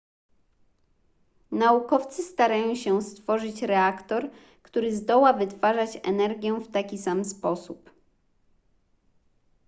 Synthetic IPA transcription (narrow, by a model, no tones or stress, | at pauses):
naukɔft̪sɘst̪aɾajɔ̃ɕɛst̪fɔʐɘt͡ɕɾɛakt̪ɔɾ | kt̪uɾɘzd̪ɔwavɘt̪faʐat͡ɕɛ̰nɛɾɡʲjɛft̪akʲisamspɔsup